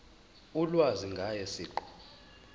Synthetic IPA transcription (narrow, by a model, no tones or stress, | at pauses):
ulwaziŋɡʱajɛsiːǃɔ̥